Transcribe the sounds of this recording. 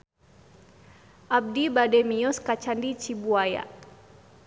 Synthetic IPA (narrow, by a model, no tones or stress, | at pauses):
ʔab̚dibadɛmiɔskat͡ʃandit͡ʃibuaja̰